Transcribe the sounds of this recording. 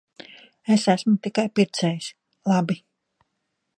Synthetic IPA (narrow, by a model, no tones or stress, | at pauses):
esæsmut̪ikajpiɾt̪sɛːjis | lˠabi